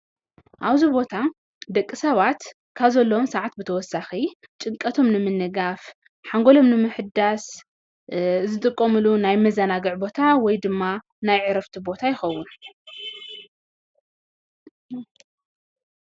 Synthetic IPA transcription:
ʔaβzibo̞t̪ʰa | d̪ɐkʼːisɐβat̪ | kʰaβzɐlːomsaʕat̪̚bɨt̪ʰɐwɔsːaxi | t͡ʃʼɨŋkʼɐt̪ʰo̞mnɨmɨnːɨɡaf | ħaŋɡo̞lo̞mnɨmɨħɨd̪as | zɨt̪ʼɨkʼːɐmɨlunajmɐzɐnaɡɨʕbo̞t̪ʰawɔjd̪ɨmːa | najʕɨɾɐft̪ʰibo̞t̪ʰajɪxɐwːun

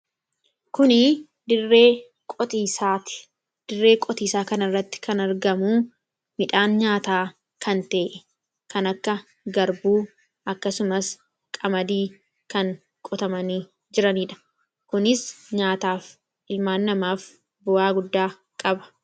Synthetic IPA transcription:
kʊnɪ | d̪ɪrːeː | kʼɔt̪iːsaːt̪ɪ̥ | d̪̥ɪrːe̞ːkʼɔt̪iːsaːkɐnɐrːɐt̪ːɪ̥kɐnɐɾɡɐmuː | mɪᶑaːnɲaːt̪aː | kɐnt̪e̞ːʔɛ | kɐnɐkːɐ | ɡɐɾbuː | ʔɐkːɐsʊmɐs | kʼɐmɐd̪iː | kɐŋ | kʼɔt̪ɐmɐniː | d͡ʒɪɾɐniːᶑɐ̥ | kʊnɪsɲaːt̪aːf | ɪlmaːnːɐmaːf | bʊaːɡʊd̪ːaː | kʼɐbɐ̥

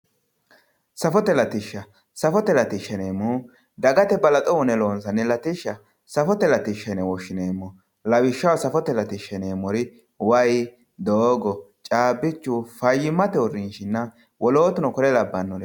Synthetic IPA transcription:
sɐfɔt̪ɛlɐt̪ɪʃːɐ | sɐfɔt̪ɛlɐt̪ɪʃɛneːmu | d̪ɐɡɐt̪ɛbɐlɐt̪ʼɔʊnɛloːnsɐnːɛlɐt̪ɪʃːɐ | sɐfɔt̪ɛlɐt̪ɪʃɐnɛwɔʃɪneːmːʊ | lɐwɪʃːɐwsɐfɔt̪ɛlɐt̪ɪʃɛneːmɔɾɪ | wɐj | d̪oːɡɔ | t͡ʃʼaːbːɪt͡ʃːufɐjːɪmːɐt̪ɛʊrɪnʃɪnːɐ | wɔloːt̪ʊnɔkɔɾɛlɐbːɐnːɔn

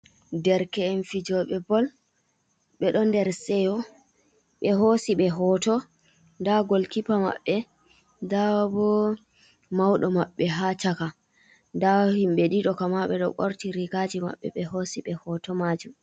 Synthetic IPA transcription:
dɛɾkɛːnfid͡ʒɔɓɛbɔl | ɓɛɗɔndɛɾsɛjɔ | ɓɛɦosiɓɛɦɔtɔ | ndaɡolkipama̰ɓːɛ | dabɔ | mawɗɔmaɓːɛɦat͡ʃaka | ndahimɓɛɗiɗɔkamaɓɛɗɔkoɾtiɾikad͡ʒima̰ɓːɛ̰ɓɛhosiɓɛhɔtɔmad͡ʒum

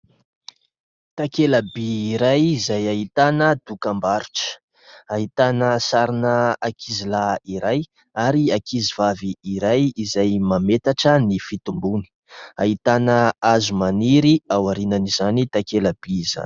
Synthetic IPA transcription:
t̪akelabiːɾajizajaɦit̪anəd̪̥ukambaɾu̥ʈ͡ʂə̥ | aɦit̪anəsaɾinəakʰizilaiɾaj | aɾiakizivaviːɾajizajmamet̪aʈ͡ʂənifit̪umbuni̥ | aɦit̪anəazumaniɾiawaɾinanizanit̪akelab̥iza̰n

